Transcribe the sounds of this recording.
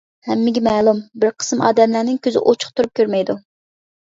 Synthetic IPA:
hɛmːɪɡʲɛmɛːlˠumbɪɾqʰə̥sɨmɑ̰ːd̪ɛmlæɾnɪŋkʲʰøzɪ̰ʔot͡ʃʰʊ̥χt̪ʰuɾup̚kʲʰøɾmɛjd̪u

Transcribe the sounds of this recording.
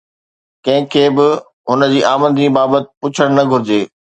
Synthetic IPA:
kɐ̃ɦɪ̃kʰeːbɪ | ɦʊnə̆d͡ʑiːʔaːmə̃nd̪ʱĩbaːbət̪ɪ̥̆pʊt͡ɕʰəɽ̃nɐɡʱʊɾɪd͡ʑeː

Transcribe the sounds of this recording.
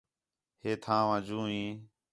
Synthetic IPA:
heːt̪ʰãːʋãːd͡ʒũːĩː

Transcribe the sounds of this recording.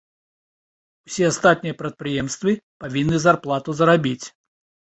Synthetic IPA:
usʲɛast̪at̪̚nʲijɐpɾɐt̪̚pɾɨjɛmst̪vɨpavʲinːɨzarplˠat̪uzɐɾabʲit͡sʲ

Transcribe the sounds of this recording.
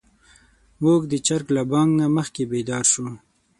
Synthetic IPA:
moɡd̪ət͡ʃaɾklabɑŋɡnaməxkebed̪ɑɾʃu

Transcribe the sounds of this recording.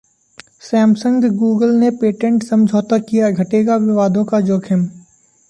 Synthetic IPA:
sɛːmsə̃ŋɡɡuːɡəlnepeːʈẽɳʈsɐmd͡ʒʱoːt̪akijaɡʱɐʈeːɡaʋɪʋaːd̪ʱõkad͡ʒoːkʰɪm

